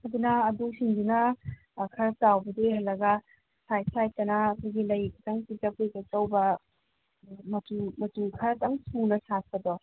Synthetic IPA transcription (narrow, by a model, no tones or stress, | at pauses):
ɐd̪unɐːdusiŋdunɐ | kʰɐɾɐtawbɐdeɦɐlːɐɡɐ | sʰajsajtɐnɐːkʰojɡilɐjkɐtɐŋpitɐkʰojɡet͡ʃɐwbɐ | mɐtumɐtukʰɐɾɐtɐŋsunɐsas̚pɐdɔ